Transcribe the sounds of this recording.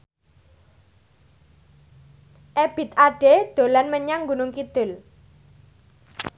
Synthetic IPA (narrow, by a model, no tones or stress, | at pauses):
ʔeb̥ɪ̤t̪̚aɖ̥ed̪̥o̤lanməɲaŋɡunʊŋkid̪̥ʊ̤l